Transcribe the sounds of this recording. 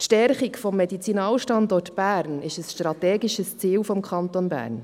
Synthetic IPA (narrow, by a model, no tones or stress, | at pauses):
tʃtɛɾχikfɔmːɛdit͡sinɑːlʃtɑndɔrtb̥æːɾnɪʃəsʃtrɑt̪ɛːɡiʃəst͡siːlfɔmkʰɑnt̪onbæ̰ːɾn